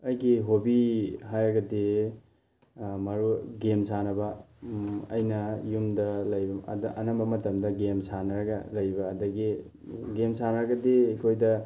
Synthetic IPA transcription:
ɐjɡiɦobiɦajɾɐɡɐde | mɐɾuɡemsanɐbɐ | ɐ̰jnɐjumdɐlɐjbɐ̰dɐʔɐnɐmbɐmɐtɐmdɐɡemsanɐɾɐɡɐlɐjbɐːdɐɡi | ɡemsanɐɾɐɡɐdeikʰojdɐ

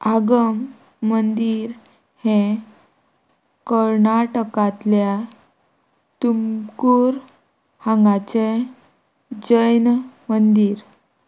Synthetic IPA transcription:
aɡəmː | ənd̪iɾ | hẽ | kəɾnaʈəkat̪lja | t̪umkuɾ | hãŋɡat͡ɕe | d͡ʑəjnmənd̪iːɾ

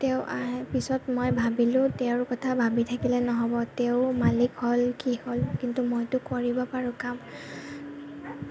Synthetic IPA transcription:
teʊʔaɛpisɔtmojbʱabilʊ̃teʊɹkɔtʰabʱabitʰakilɛnɔɦɔbɔteʊmalikholkiholkintumojtʊkoɹibɔpaɹʊ̃kam

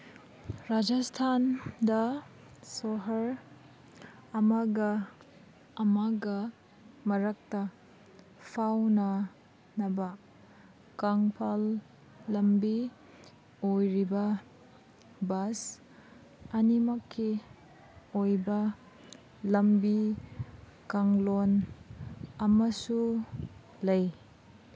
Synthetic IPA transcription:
ɾad͡ʒastʰandɐ | soɦɐɾ | ɐmaɡɐː | maɡɐ | mɐɾɐk̚tɐ | pʰawnɐ | nɐbɐ | kaŋpʰalː | ɐmbi | ojɾibɐ | bas | ɐnimɐkʰːi | ojbɐ | lɐmbi | kaŋlon | ɐmɐsu | lɐj

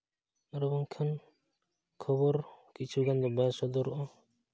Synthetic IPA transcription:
ɾɔbɔŋkʰan | kʰɔbɔɾkit͡ʃʰuɡand̪ɔbasɔd̪ɔɾɔʔɔ

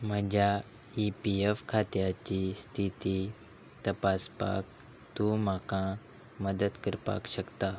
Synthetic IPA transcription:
m̤əd͡ʑa | ipiefkʰat̪jat͡ɕist̪ʰit̪i | t̪əpaspa̰k̚ | t̪ũm̤akã | məd̪ət̪kəɾpa̰kɕəkt̪a

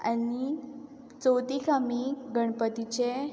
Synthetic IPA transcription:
ani | t͡sowt̪ikʰamiɡəɳ̃pət̪it͡ɕe

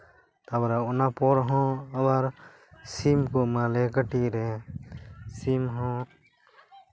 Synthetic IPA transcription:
t̪abɾaʊnapoːɾɦɔ̃ːəbaɾ | siːmkoːmãːlekəʈiːɾeː | siːmɦõː

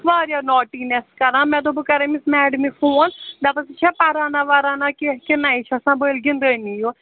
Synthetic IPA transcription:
ʋaːɾjãːnɔːʈiːnɛskəɾãːmɛ̃ːt̪̬õːbəkəɾẽːmɪsmɛːɖmiːfʰoːnd̪aːpəsɪt͡ʃʰɛːpaːɾãːnãːʋaːɾãːnãːkɪkɪnaːiːt͡ʃʰəsãːbəːlɡɪnd̪əːniːoː

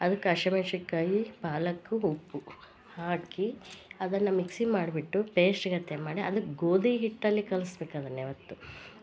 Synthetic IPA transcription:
ɐd̪ɐkːɐʃɐmeːʂikːaːjipaːlɐkːuɦupːu | haːkiɐd̪ɐnːɐmiksimaːɖbiʈːupeːsʈiɡɐt̪ːemaːɽiʔɐ̰d̪uɡoːd̪iɦiʈːɐlːikɐlusbeːkaːd̪ɐnːeʋɐt̪ːu

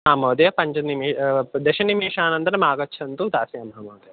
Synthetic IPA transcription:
aːmoːd̪jɐpɐɲt͡ʃɐnimiːd̪eʃɐnimiːʂaːnɐnt̪ɐnɐmaːɡɐt͡ʃːʰɐnt̪ud̪aːsijɐmɦaːmoːd̪ɐjɐ

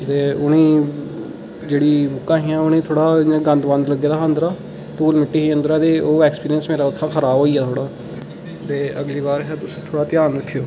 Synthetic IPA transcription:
t̪eːʊnẽː | d͡ʒeːɽiːmʊkːãːɦiːãːʊnẽːt̪ʰoːɽãːɡə̃nd̪bə̃nd̪ləɡːeːd̪aːənd̪ɾaː | t̪uːlmɪʈːiːɦĩːə̃nd̪ɾaːd̪eːoːɛːkspiːɾijənsmeːɾaːʊt̪ʰːãːkʰəɾaːbɦoːiːaːt̪ʰoːɽaː | t̪eːəɡliːβaːɾɦɛːt̪ʊsĩːt̪ʰoːɽaːt̪ɪjaːnɾəkʰːijoː

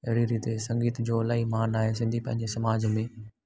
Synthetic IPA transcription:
ɐɦɪɽiɾiːt̪esɐ̃ŋɡiːt̪d͡ʑoːlaːimaːnaːɦesɪ̃nd̪ʱipɐ̃ɦɪ̃ɲd͡ʑesɐmaːd͡ʑmẽː

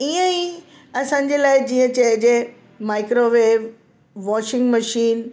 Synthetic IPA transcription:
iːə̃i | ɐsãːɲ̆d͡ʑeːlaːɪd͡ʑiːə̃t͡ɕɐɦd͡ʑe | maːɪkɾoʋeːʋ | ʋɔːʃɪ̃ŋɡmɐʃiːn

